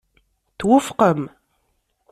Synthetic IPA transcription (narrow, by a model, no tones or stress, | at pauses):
θwəfqəm